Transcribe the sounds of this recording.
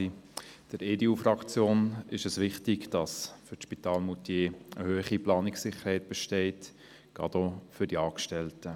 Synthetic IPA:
d̥əɾeːdeuːfɾɑkt͡sjoːnɪʃəsʋɪχtɪɡd̥ɑsfʏʃpitɑːlmutjeːəhøːχiplɑːnɪksɪχəɾhɛɪt̚b̥ɛʃtɛɪt | ɡ̥ɑ̰dofʏɾd̥iɑːkʃtɛltə

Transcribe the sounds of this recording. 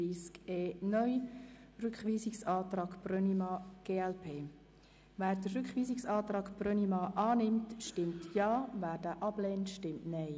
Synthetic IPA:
iːskeːnœʏrʏkχʋiːsɪksɑːt̪ɾɑːɡprœnimɑːɡ̥eːɛlpʰeː | væːɾd̥ərʏkχʋiːsɪksɑːtrɑːɡprœnimɑːʔɑːnɪmtʃtɪmtʰjɑːvæːɾd̥æːʔɑb̥lɛːntʃtɪmtnɛj

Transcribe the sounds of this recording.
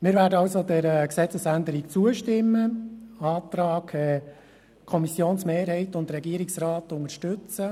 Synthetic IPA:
mɪːɾvʋæːdəɑlsodɛɾəksɛt͡səsændəɾikt͡suəʃtɪmːəɑːtɾɑːkʰɛ | kʰɔmisjoːnsmeːɾhɛɪtʊndɾɛɡiəɾɪksraːtʊŋəʃtʏt͡sə

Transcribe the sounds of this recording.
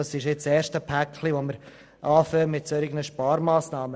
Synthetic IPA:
ɑsɪʃɪt͡ssɛːɾʃtəpʰækʰːliʋoməɾ | ʔɑːføːɾmɪtsoɾɪɡnəʃpɑːɾmaːsnɑːmə

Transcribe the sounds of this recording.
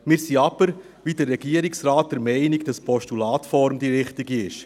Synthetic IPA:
mɪːɾsiɑb̥əɾ | ʋidəɾːɛɡ̥iːəɾɪksraːt̚d̥ɛɾmɛɪnɪɡd̥ɑspʰɔʃtulaːtfɔɾmdiɾɪχtɪɡiɪʃ

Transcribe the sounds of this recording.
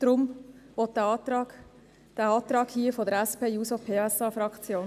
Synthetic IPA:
d̪̥ɾʊmʋɔt̚dɑ̥ | d̥æɑːt̪ɾɑːkhiəfodəɾæspeːjuːsopʰeːɛsɑfɾɑkt͡sjoːn

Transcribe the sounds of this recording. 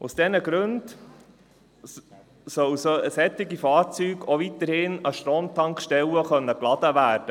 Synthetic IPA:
ʊsd̥ɛnəɡɾʉnd | sœwsœəsɛt̪ːɪɡifɑːɾt͡syːɡovit̪əɾhɪnəʃtɾoːmt̪ɑŋkʃtɛləχœnːəklɑd̥̪əʋæːɾd̥ə

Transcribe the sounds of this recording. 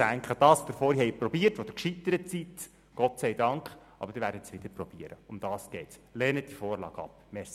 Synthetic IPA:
æŋkχəd̥ɑːsd̪̥əɾfɔːɾihɛɪpɾɔbiːərtfod̥̪əkʃit̪ːəɾət͡sit̪ | ɡ̥ɔtsæɪdɑŋkχ | ʔɑ̰bəɾd̥ɪɾʋæːɾdət̪sʋɪd̥̪əɾpɾɔb̥iəɾəʊmd̥̪ɑːsɡ̥ɛɪtslɛːnət̚d̥ifɔːrlɑ̰ːɡɑ̰p | mɛs

